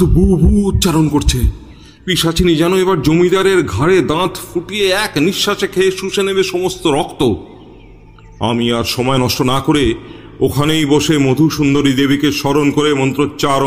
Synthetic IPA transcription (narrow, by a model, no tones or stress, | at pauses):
obubuut̪ːt͡ɕaɾonkoɾt͡ɕʰe | piʃat͡ɕʰinid͡ʑanoebaɾd͡ʑomid̪aɾeɾɡʱaɾed̪ãt̪fuʈieɛkniʃːaʃekʰeeʃuʃenebeʃɔmost̪oɾɔkt̪o | a̰miaɾʃɔmɔenɔʃʈonakoɾe | okʰanejboʃemod̪ʱuʃund̪oɾid̪ebikeʃɔɾonkoɾemɔnt̪ɾot͡ɕaɾ